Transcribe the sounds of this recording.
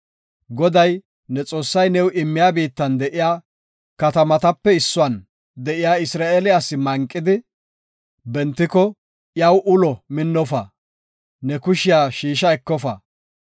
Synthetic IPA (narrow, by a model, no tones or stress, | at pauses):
ɡɔd̪ɐj | nɛt͡sʼo̞ːsːɐjnɛwʔɪmːɪjaːbiːt̪ːɐnd̪ɛʔɪjaː | kɐt̪ɐmɐt̪ɐpːɛɪsːʊɐn | d̪ɛʔɪjaːɪsɾaːeːlɪɐsːɪmɐŋkʼːɪd̪ɪ | bɛnt̪ːɪkɔ | jɐwʔʊlɔmɪnːɔfɐ | nɛkʊʃɪjaːʃiːʃɐɛkːɔfɐ